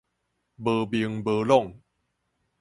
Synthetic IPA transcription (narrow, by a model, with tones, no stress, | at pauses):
bəː˨˩bi˨˧˩ŋbəː˨lɔ˥˨ŋ